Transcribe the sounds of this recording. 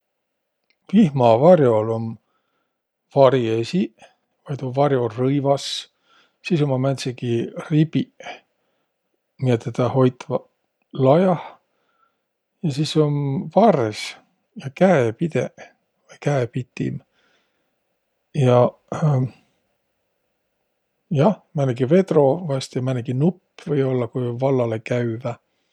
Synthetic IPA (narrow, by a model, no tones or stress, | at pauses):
vihmɑvɑrjo̞lom | vɑɾiesi | vɑjd̪ovɑɾjo̞rɤjvɑs | sisomɑmænsiɡiribi | miet̪ːet̪ɑho̞jt̪vɑ | lɑjɑh | jɑsisomvɑres | jɑkæepid̪̥ḛ | vɤjkæepit̪ːḭm | jɑ | jɑhmænːeɡive̞d̪ro̞vɑst̪jɑmænːeɡinupːvɤjo̞lːɑkujvɑlːɑlekæyvæ